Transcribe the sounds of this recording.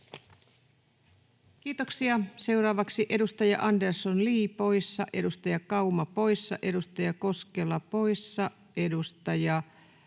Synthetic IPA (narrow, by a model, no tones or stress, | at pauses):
kiːt̪oksiɑse̞uɾɑːʋɑksiʔe̞dust̪ɑjɑʔɑndersonliːpo̞jsːɑʔe̞dust̪ɑjɑkɑumɑpo̞jsːɑ̰ʔe̞dust̪ɑjɑko̞skelːɑpo̞jsːɑ | ʔe̞dust̪ɑjɑ